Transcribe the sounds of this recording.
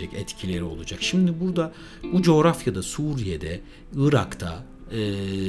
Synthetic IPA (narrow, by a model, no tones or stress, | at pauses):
ɛcɛt̪cʰilʲe̞ɾio̞lˠud͡ʒakʃimd̪ibuɾd̪a | bud͡ʒo̞ːɾafjad̪asuɾije̞d̪ɛ | ɯɾakt̪ʰa̰ | ɯː